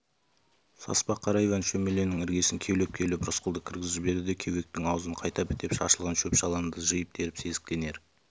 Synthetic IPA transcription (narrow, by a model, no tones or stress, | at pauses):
sɑ̰spɑqʰːɑɾɑjvɑnʃɵme̞le̞nɪŋɪɾɡʲe̞sɪŋkʲʰe̞lep̚kʲʰe̞lɪpɾʊsqʰʊlˠd̪əkʲʰɪɾɡʲɪzɪbe̞ɾd̪ɪd̪e̞kʲʰewe̞k̚t̪ɪŋɑwəzəɴqʰɑjt̪ɑpɪ̥t̪e̞pʃɑʃəlˠʁənʃɵpʃɑlˠɑnd̪əʒəjɪp̚d̪ʰe̞ɾɪpse̞zɪk̚t̪e̞ne̞ɾ